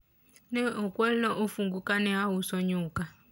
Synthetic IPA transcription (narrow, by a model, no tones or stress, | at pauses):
nɛɔkwɛlnɔʔufuŋɡukanɛɦawusɔɲuːka